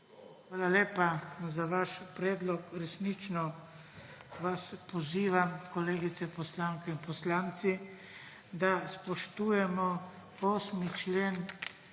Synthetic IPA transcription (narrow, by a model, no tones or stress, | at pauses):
xʋaːlaleːpazaʋaʃpɾɛːd̪lɔkɾɛsnit͡ʃnɔ | ʋaspɔziːʋamkɔleːɡit̪sɛpɔslaːŋkɛinpɔslaːnt̪si | d̪aspɔʃt̪uːjɛmɔ | oːsmit͡ʃleːn